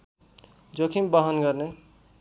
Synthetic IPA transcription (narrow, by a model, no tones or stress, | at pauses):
d͡ʒokʰimbʌɦʌnɡʌɾne